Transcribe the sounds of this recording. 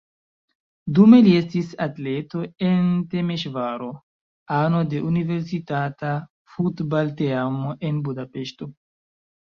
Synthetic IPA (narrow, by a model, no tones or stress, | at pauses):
dume̞lie̞stisatle̞toente̞meʃvaɾo | ano̞de̞ʔunive̞ɾsitata | futbalteamoʔe̞nbudape̞ʃto̞